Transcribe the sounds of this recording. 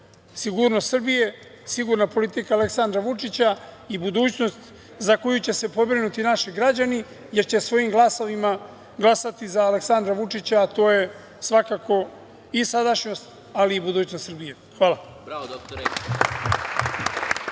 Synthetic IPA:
siɡuɾnost̪srɾbije̞ | siɡuɾnapo̞lit̪ikaːle̞ksand̪ɾaʋut͡ʂit͡ɕa | ibud̪uːt͡ɕno̞st̪ | zako̞jut͡ɕe̞se̞po̞bɾinut̪inaʃiɡɾad͡ʑani | je̞ɾt͡ɕe̞sʋo̞jimɡlˠaso̞ʋima | ɡlasat̪izaːleksand̪ɾaʋut͡ʂit͡ɕaːt̪o̞ːje̞ | sʋakako̞ | isad̪aʃɲo̞st̪ | aliːbud̪uːt͡ɕnost̪sɾbije̞ | xʋaːla | ok

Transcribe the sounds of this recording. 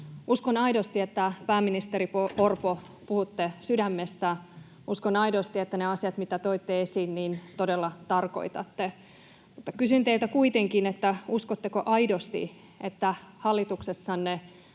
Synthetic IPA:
uskonɑidost̪iet̪ːæpæːmːinist̪eɾipoorpo | puhut̪ːesydæmːest̪æ | uskonɑidost̪iet̪ːæneɑsiɑt̪mit̪æt̪oit̪ːeesiːnnint̪odelːɑt̪ɑrko̞̰it̪ɑ̰t̪ːe | mut̪ːɑkysynt̪eilt̪ækuit̪eŋkinet̪ːæuskot̪ːekoʔɑidost̪ḭ | et̪ːæhɑlːit̪uksesːɑnːe

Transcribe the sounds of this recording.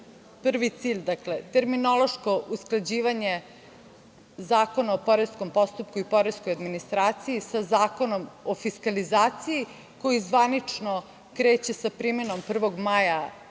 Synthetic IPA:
pr̩ʋit̪siːʎʲd̪akle̞t̪e̞ɾmino̞lˠo̞ʃko̞ʔusklˠad͡ʑiːʋaɲe̞ | zaːko̞naopo̞ɾesko̞mpo̞st̪up̚kuipo̞ɾeskojad̪minist̪ɾaːt̪sijisazaːko̞no̞mofiskalizaːt̪siji | ko̞jizʋanit͡ʂno | kɾeːt͡ɕe̞sapɾimeno̞mpr̩ʋo̞ɡmaja

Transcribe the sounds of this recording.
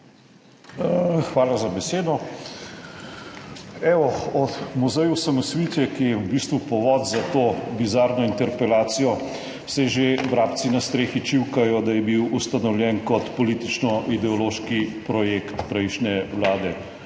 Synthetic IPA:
xʋaːlazabɛseːd̪ɔ | ɛːɔɔt̪muzɛjusamɔsʋit̪ɛkijɛubiːst̪ʋupɔʋɔd̪zat̪oːbizaːɾnɔint̪ɛɾpɛlaːt̪sijɔ | sɛʒeʋɾaːpt̪sinast̪ɾeːxit͡ʃiwkajɔd̪ajɛbiwust̪anɔwlʲjɛnkɔt̪pɔliːt̪it͡ʃnɔʔid̪ɛɔloːʃkipɾɔjekt̪pɾɛjʃnʲɛwlaːd̪ɛ

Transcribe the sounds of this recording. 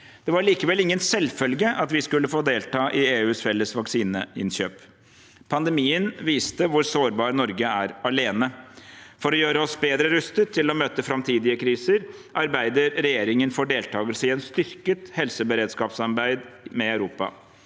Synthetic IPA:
d̪̥ɛʋɑɾɭiːkəʋɛlɪŋːənsɛlfœlɡəʔɑt̪ʋɪskʉlːəfoːd̪eːlt̪ʰɑːʔɪeːʉːsfɛlːəsʋɑksiːnəɪ̰nɕøːpʰ | ɑnd̪ɛmiːənʋiːst̪əʋʊɾsoːɾbɑːɾnɔɾɡəæɾɑleːnəfɔɾɔjøːɾəɔsbeːd̪ɾəɾʉst̪ət̪ʰːɪlɔmøːt̪əfɾɑmt̪ʰiːd̪ɪəkʰɾiːsəɾʔɑɾbæɪd̪əɾɾɛjeːɾɪŋənfɔɖeːlt̪ʰɑːɡəlsəɪɛnst̪ʏɾkət̪hɛlsəbəɾeːd̪skɑːpsɑɾbæɪd̪mɛœʉɾuːpɑ̰

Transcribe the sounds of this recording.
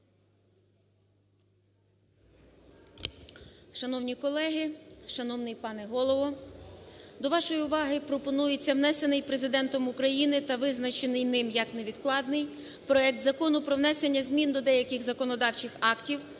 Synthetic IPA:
ʃɐnɔwnʲikɔlˠɛɦɪʃɐnɔwnɪjpɑneɦɔlˠɔʋɔ | d̪ɔʋɑʃɔjiʊʋɑɦɪpɾɔpɔnujet͡sʲːɐwnɛse̞nɪjpɾezɪd̪ɛnt̪ɔmʊkɾɐjinɪt̪ɐʋɪznɐt͡ʃenɪjnɪmjɐkne̞ʋʲid̪klˠɑd̪̚nɪj | pɾɔɛk̚t̪zɐkɔnʊpɾɔʋnɛse̞nʲːɐzʲmʲind̪ɔd̪ɛjɐkɪxzɐkɔnɔd̪ɑwt͡ʃɪxɑktʲiw

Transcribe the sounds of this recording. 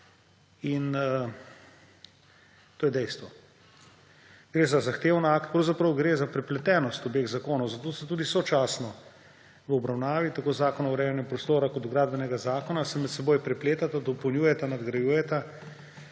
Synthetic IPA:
in | t̪oːjɛd̪ɛjst̪ʋɔ | ɡ̥ɾeːzazaxt̪eːwnakt̪̚pɾɐwzapɾɐwɡɾeːzapɾɛplɛt̪ɛːnɔst̪ɔbeɣzakoːnɔwzat̪oːsɛt̪uːd̪isɔt͡ʃaːsnɔ | ʋəɔbɾawnaːʋit̪akoːzaːkɔnɔɾɛːjanjɛpɾɔst̪oːɾakɔt̪ɡɾaːd̪̚bɛnɛɡazaːkɔnasɛmɛt̪sɛboːjpɾɛpleːt̪at̪ad̪ɔpɔwnʲjuːjɛt̪anad̪ɡɾajuːjɛt̪a

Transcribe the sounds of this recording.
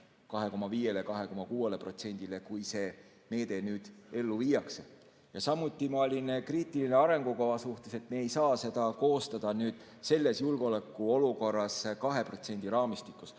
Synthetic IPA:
kɑɦe̞ko̞mɑviːje̞lekɑɦe̞ko̞mɑkuːelepro̞t̪se̞nʲd̪̥ile̞kujse̞ː | me̞ːd̪̥e̞nyːd̪̥e̞lːuviːjɑkse | jɑsɑmːˑut̪ˑːimɑolʲinkriːt̪ːˑiline̞ɑɾe̞ŋɡ̥ukovɑsuht̪e̞se̞t̪meːejsɑːse̞d̪̥ɑko̞ːst̪ɑd̪̥ɑnyːd̪̥ | se̞lːe̞sjulɡ̥eo̞lekˑːuo̞luko̞rːɑskɑɦe̞pro̞t̪se̞nʲd̪̥iɾɑːmist̪ikːˑus

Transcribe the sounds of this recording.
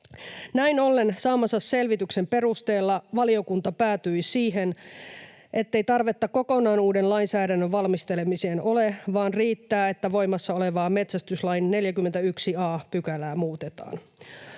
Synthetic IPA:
næinolːensɑːmɑsɑsselʋit̪yksempe̞ɾust̪e̞ːlːɑʋɑlio̞kunt̪ɑpæːt̪yisiːɦen | ʔe̞t̪ːe̞jt̪ɑrʋe̞t̪ːɑko̞ko̞nɑːnuːdenlɑinsæːdænːøʋɑlmist̪elemiseːno̞leʋɑːnriːt̪ːæːe̞t̪ːæʋo̞jmɑsːɑo̞leʋɑːme̞t̪sæst̪yslɑjnne̞ljækymːent̪æyksiɑːpykælæːmuːt̪et̪ɑ̰ːn

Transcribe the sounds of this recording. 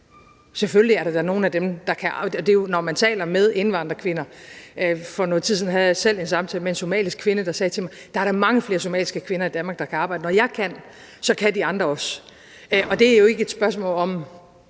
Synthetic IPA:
sefølliæɐɾɑ̈d̥ɑno̝ːn̩æd̥emd̥ɑ̈kʰæɒd̥e̝jo̝nɒmænt͡sʰɛ̰ːlɐmeð̞ˠe̝nʋɑ̈n̰d̥ʁɐkʰʋe̝nɐ | fɒnoːt͡sʰið̰ˠn̩ɦæðˠsel̰e̝nsɑ̈mt͡sʰɛ̰ːləmee̝nso̝mɛ̰ːlisɡ̥kʰʋe̝nəd̥ɑ̈sɛːt͡sʰe̝mɑ̈ɪd̥ɑ̈æɐɾɑ̈mɑ̈ŋəfle̝ːɐso̝mɛ̰ːlisɡ̥əkʰʋe̝nɐid̥ænmɑ̈ːɡ̥d̥ɑ̈kʰæɑbɑ̈ɪ̥ənɒjɑ̈ɪkʰæn̰ | sɒ̽kʰæd̥iɑ̈nd̥ʁɐɒ̽s | ʔɒ̽d̥e̝æɐjo̝e̝ɡ̥əe̝d̥sb̥ɶɐs̬mɔ̰̽ːlɒ̽m

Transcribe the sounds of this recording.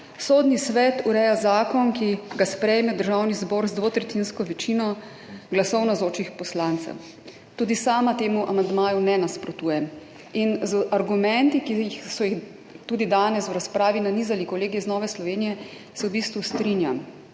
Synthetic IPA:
sod̪nisʋɛt̪uɾɛjazaːkɔnkiɡaspɾɛjmɛd̪əɾʒawnizbɔːɾzd̪ʋot̪ɾɛt̪inskɔʋɛt͡ʃiːnɔ | ɡlasɔwnazoːt͡ʃixpɔslant̪sɛ̰w | t̪uːd̪isaːmat̪eːmuʔa̰mand̪maːjunɛnaspɾɔt̪uːjɛm | inzaɾɡumɛnt̪ikixsɔjix | t̪uːd̪id̪aːnɛswɾaspɾaːʋinaniːzalikɔleːɡiznɔːʋɛslɔʋeːnijɛ | sɛwbiːst̪ʋust̪ɾinjam

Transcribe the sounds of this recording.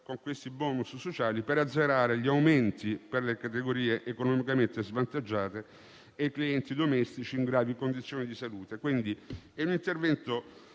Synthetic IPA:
koŋkwest̪ibɔːnusːot͡ʃaːlipeɾad̪zːeɾaːɾeʎiawment̪iperlekat̪eɡoɾiːeʔekonɔmikament̪ezvant̪ad͡ʒːaːt̪e | ejkliɛnt̪id̪omɛst̪it͡ʃiːŋɡɾaːvikond̪it̪sːjoːnid̪isaluːt̪ekwind̪iɛunint̪ervɛnt̪o

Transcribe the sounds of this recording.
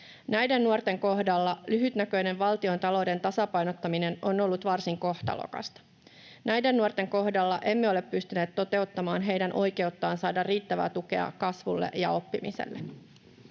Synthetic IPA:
næjde̞nːuort̪e̞ŋko̞hdɑlːɑlyɦyt̪nækø̞jne̞ʋʋɑlt̪io̞nt̪ɑlo̞ːde̞nt̪ɑsɑpɑjnot̪ːɑmine̞nono̞lːut̪ʋɑrsiŋko̞ht̪ɑ̰lo̰kɑ̰st̪ɑ̥ | næjde̞nːuort̪e̞ŋko̞hdɑlːɑʔe̞mːeo̞le̞pːyst̪yneːt̪t̪o̞t̪e̞ut̪ːɑmɑːnɦe̞jdænʔo̞jke̞ut̪ːɑːnsɑːdɑrrːiːt̪ːæʋæ̰ːt̪uke̞̰ɑ̰kɑsʋṵlːḛjɑo̞pːimḭsḛlːe

